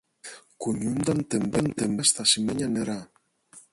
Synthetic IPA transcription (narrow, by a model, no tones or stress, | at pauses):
kuɲumd̪ant̪embent̪embast̪asimeɲaneɾa